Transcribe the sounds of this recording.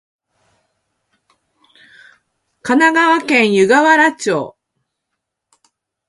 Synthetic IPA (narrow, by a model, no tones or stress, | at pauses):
kanaɡaβakẽɰ̃jɯ̟ɡaβaɾat͡ɕo̰ː